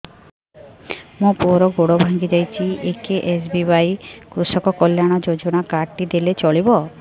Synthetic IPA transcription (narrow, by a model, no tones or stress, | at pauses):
mũpuɾɔɡoɽobʱaŋɡid͡ʒajt͡ʃʰiʔekeʔesbibajkɾusɔkɔkɔljaɽ̃ɔd͡ʒod͡ʒɔɽ̃akaʈːid̪elet͡ʃɔɭibɔ